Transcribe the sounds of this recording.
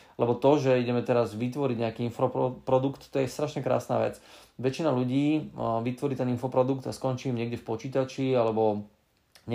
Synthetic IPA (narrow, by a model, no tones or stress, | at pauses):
lɛbɔt̪ɔʒɛiɟɛmɛt̪ɛɾazʋit̪ʋɔɾiɟɲɛakiːinfɾɔpɔpɾɔd̪ukt̪t̪ːɔjɛst̪ɾaʃɲɛkɾa̰ːsna̰ːʋɛ̰t͡sʋɛt͡ʃinaluɟiːʋit̪ʋɔɾiːt̪ɛninfɔpɾɔd̪ukt̪askɔnt͡ʃiːmɲɛɡdʲɟɛfpɔt͡ʃiːt̪at͡ʃialɛbɔ | ɲ